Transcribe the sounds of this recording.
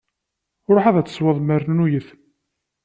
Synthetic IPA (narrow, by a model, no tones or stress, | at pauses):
ʊɾˤoħaðæt͡sːə̥sˤwəðˤməɾnujəθ